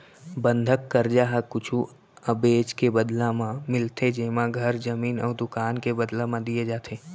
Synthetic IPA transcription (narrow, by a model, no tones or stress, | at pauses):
bə̃nd̪ʱəkːəɾd͡ʒaːɦakʊt͡ʃʰu | ɐbeːd͡ʒkebəd̪lãmãmɪlt̪ʰed͡ʒeːmãɡʱɐɾd͡ʒɐmiːnɔ̰ːɾd̪ʊkaːnkebɐd̪lãmãd̪ied͡ʒaːt̪ʰeː